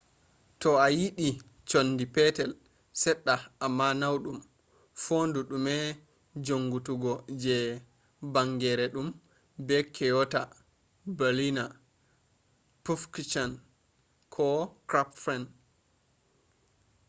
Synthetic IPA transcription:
tɔajiɗi | t͡ʃonːdipɛtɛl | sɛɗːaamːanawɗum | foːnduɗumɛ | d͡ʒoŋːɡutuɡɔd͡ʒɛ | baŋɡɛɾɛɗum | bɛkʰɛjɔta | balina | pufkt͡ʃan | kʰɔkɾapfɛn

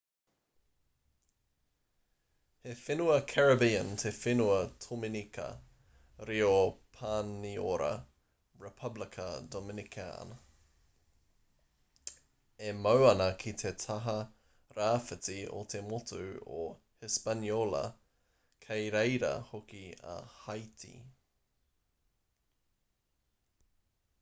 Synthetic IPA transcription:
hefɪnuɐkʰɛɹɐbiəntʰefɪnuɐtʰomɪnikɐ̰ | ɾiopʰaːnio̰ɾɐ̰ | ɹɛpʰɐblɪkʰə̰domɪnikʰa̰n | emɐwɐnɐkʰit̪ʰetʰɐɦɐ | ɾaːfɪtio̰t̪ʰemotʰuo | hɪspɐnjolɐ̰ | kʰejɾejɾɐ̰hokiɐ̰hɐjtʰḭ

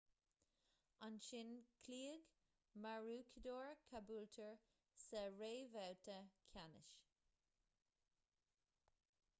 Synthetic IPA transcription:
anʃɪnkʰliːəɡ | maɹuːkʰəd̪oːɹkʰabuːltʰəɹ | sɛɹeːvawtʰəkʲʰanɪ̰ʃ

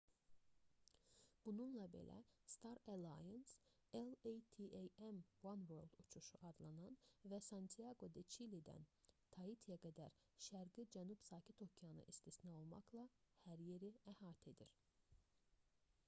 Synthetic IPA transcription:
b̥ununlˠɑbḛlʔæ̰st̪ʰɑɾælˠɑjens | elejt̪ʰiʔejemwanvøɾlˠd̪ut͡ʃʰuʃuʔɑd̪lˠɑnɑnvæsɑnt̪ʰiɑɡo̞d̪et͡ʃʰilid̪æ̰nt̪ʰɑit̪ʰijɑɡæd̪æ̰ɾ | ʃæɾɡid͡ʒænub̥sɑːcʰit̪ʰo̞cʰijɑnɯ̰ʔist̪isnɑo̞lˠmɑ̰klˠɑhæɾje̞ɾiæhɑːt̪ʰe̞d̪iɾ

